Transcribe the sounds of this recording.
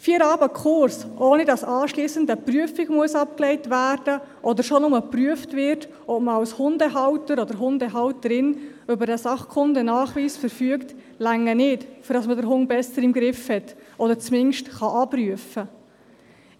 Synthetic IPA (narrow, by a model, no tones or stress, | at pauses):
fiːəɾɑːbəkχʊɾsʔoːnidɑsɑːʃliːsəndəpryəfɪɡmuəsɑp̚kleɪtʋæːɾd̥əʔɔd̪əɾʃɔnʊməpryəftvɪrt | ɔbməɑwshʊndɛɦɑwtəɾɔd̪əɾɦʊndɛɦɑwtəɾɪnʏbəɾdɛsɑχkʰʊndənɑːχʋiːsfəɾfyəkt | læŋːənɪtfʏɾdɑsmədəɾɦʊŋbɛsəɾɪmɡɾɪfhɛtʔɔdəɾt͡smɪnʃtχɑʔɑbryəfə